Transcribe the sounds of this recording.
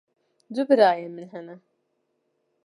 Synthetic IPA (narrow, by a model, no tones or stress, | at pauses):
d̪ubɨɾaːjɛmɨnɦɛnɛ